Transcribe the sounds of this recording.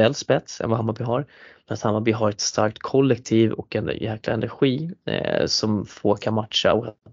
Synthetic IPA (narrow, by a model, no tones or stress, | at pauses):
ɛlspɛt̪sɛ̰nvaɦamabɪɦaɾmɛnat̪hamːabɪɦaɾɛt̪st̪a̰ɾk̚t̪kʰɔlːɛk̚t̪ʰiːvɔ̰kɛnjɛːklaɛnæɾɧiː | sɔmfokʰanmat̪ʂa̰ɔk